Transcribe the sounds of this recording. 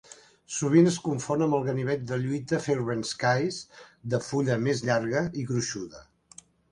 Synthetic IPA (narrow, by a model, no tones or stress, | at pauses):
suβ̞inəskuɱfonəmbəlˠɣəniβ̞ɛt̪̚d̪əʎujt̪əfeɾβənskajsd̪əfuʎəmezʎaɾɣəiɣɾuʃuðə